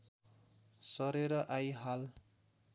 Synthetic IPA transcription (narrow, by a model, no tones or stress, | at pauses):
sʌɾeɾʌʔajɦal